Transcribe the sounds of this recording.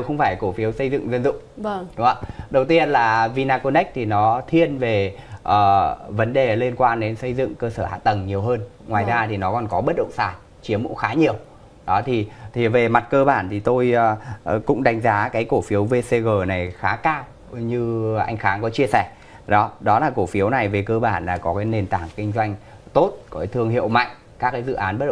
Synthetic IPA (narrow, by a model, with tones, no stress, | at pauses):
e˧wxə˧wŋ͡mfaː˧˩jko˧˩fi˨˦wsə˧jzɨ̰˧˨ŋzə˧nzʊ̰˧˨ŋ͡mɗʊ˨˦ŋ͡ma˧˩ɗə˨˩wt̪i˧ənlaː˨˩vi˧naː˧ko˧nɛ˦˥k̚t̪ʰi˨˩nɔ˨˦t̪ʰi˧ənve˨˩ʔəː˨˩və˨˦nɗe˨˩li˧ənkwaː˧nɗe˨˦nsə˧jzɨ̰˧˨ŋkəː˧səː˧˩ha̰ː˧˨t̪ə˨˩ŋɲi˨˩əwɦəː˧nŋwaː˨˩jzaː˧t̪ʰi˨˩nɔ˨˦kɔ˨˩nkɔ˨˦ɓə˦˥t̚ɗə̰˧˨ŋ͡msaː˧˩n | t͡ɕi˨˦əmṵ˧˥xaː˨˦ɲi˨˩əw | ɗɔ˨˦t̪ʰi˨˩t̪ʰi˨˩ve˨˩ma˨˩t̚kəː˧ɓaː˧˩nt̪ʰi˨˩t̪o˧jkʊ̰˧˥ŋ͡mɗa˨˦jŋ̟zaː˨˦kaː˨˦jko˧˩fi˨˦əwve˧se˧ɣəː˨˩na˨˩jxaː˨˦kaː˧w | ɲɨ˧ʔa˧jŋ̟xaː˨˦ŋkɔ˨˦t͡ɕi˧əsɛ˧˩ | ɗɔ˨˦ɗɔ˨˦laː˨˩ko˧˩fi˨˦əwna˨˩jve˨˩kəː˧ɓaː˧˩nlaː˨˩kɔ˨˦kaː˨˦jne˧˩nt̪aː˧˩ŋkï˧ŋ̟zwa˧jŋ̟ | t̪o˦˥t̚kɔ˨˦˨t̪ʰɨ˧əŋɦḭ˧˨əwma̰˧˨jŋ̟ | kaː˦˥k̚ːaː˨˦jzɨ̰˧˨ʔaː˨˦nɓə˦˥ɗə̰˧˨